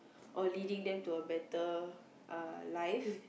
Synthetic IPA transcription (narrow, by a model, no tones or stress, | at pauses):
ʔɔlidĩŋdɛ̃mtuəbɛtə | ʔalajf